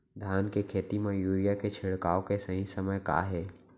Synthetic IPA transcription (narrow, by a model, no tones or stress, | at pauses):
d̪ʱaːnkekʰeːt̪imẽjuːɾijaket͡ʃʰɪɽkaːokesəɦĩsəməjka̰ːɦeː